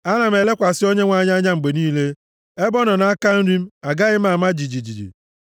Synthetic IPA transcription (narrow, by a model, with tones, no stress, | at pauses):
a˦na˨m̩˦e˨le˦kʷa˨sɪ˦o˦ɲe˦ŋʷa˦ɲa˦ɲa˦ŋ͡m̩˨ɡ͡be˨niː˦le˦ | e˦bɔ˦nɔ˨na˨˦a˦ka˦n̩˦ɾi˦m̩˦a˨ɡa˦ɣɪ˦m̩˦a˨ma˦d͡ʒi˨d͡ʒi˨d͡ʒi˨d͡ʒḭ˨